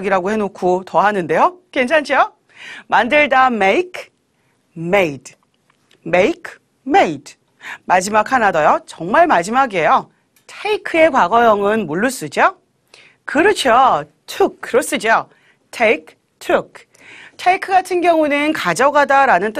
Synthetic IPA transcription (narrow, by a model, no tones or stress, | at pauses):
ɡiɾaɡohe̞nokʰotʌɦanɯnde̞jokent͡ɕʰant͡ɕʰijo | mandɯɭdameikʰ | meid | meikʰ | meid | mad͡ʑimakʰanadʌjot͡ɕʌŋmaɭmad͡ʑimaɡie̞jo | tʰeikʰɯe̞kwaɡʌjʌŋɯnmuɭːus͈ɯd͡ʑo | kɯɾɯt͡ɕʰo | tʰɯk̚kɯɾʌs͈ɯd͡ʑo | tʰeikʰ | tʰɯk̚ | tʰeikʰɯɡatʰɯnɡjʌŋunɯnkad͡ʑʌɡadaɾanɯnt͈ɯ